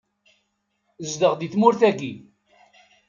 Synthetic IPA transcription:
zd̪əʁd̪iθmʊɾθæɡi

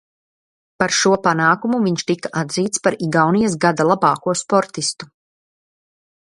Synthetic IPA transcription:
paɾʃuɔpanaːkumuviɲʃt̪ikaʔad̪ziːt̪spaɾiɡawnijazɡad̪alˠabɑːkuɔspɔɾt̪ist̪u

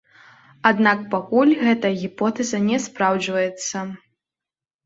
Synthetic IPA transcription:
ad̪nakpakulʲɣɛt̪ɐɣʲipɔt̪ɛzɐnʲɛspɾawd͡ʒvɐjɛt̪sːɐ

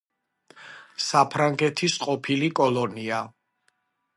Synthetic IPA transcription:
sapʰɾaŋɡɛt̪ʰisqʼɔpʰilikʼɔlɔnia

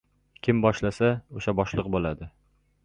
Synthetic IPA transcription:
kʲʰɪmbɒʃlasaoʃabɒʃlˠɨqbolˠad̪ɪ

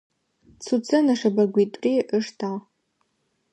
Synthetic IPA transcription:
t͡sʰut͡sʰɨnaʂabaɡʷitʼrʼiʔəʂtʰa

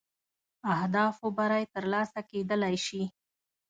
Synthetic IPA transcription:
ahd̪ɑfobaɾajet̪əɾlɑsaked̪əlajʃi

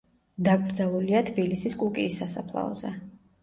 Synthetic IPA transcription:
d̪akʼɾd̪zɛlˠuliat̪ʰbilisiskʼukʼiːsasapʰlˠa̰ɔ̰zɛ

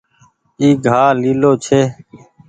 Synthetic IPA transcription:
iːɡʱaːliːloːt͡ʃʰeː

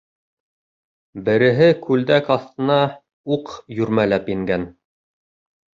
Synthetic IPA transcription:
bɘ̆ɾɘ̆ɦɘkʉld̪ækɑθt̪ɤ̆nɑ | uqjɵ̆ɾmælæpjɘ̆ŋɡæn

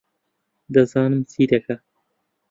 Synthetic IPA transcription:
d̪ɐzɑːnɨmsiːd̪ɐkʰɐ

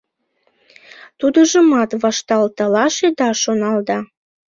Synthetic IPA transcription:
t̪ud̪əʒəmɑt̪βɑʃt̪ɑlt̪ɑlɑʃed̪ɑʃonɑld̪ɑ

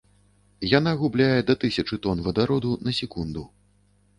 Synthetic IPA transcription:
janaɣublʲajɛd̪ɐt̪ɨsʲɐt͡ʂɨt̪ɔnvɐd̪aɾɔd̪unɐsʲikund̪u

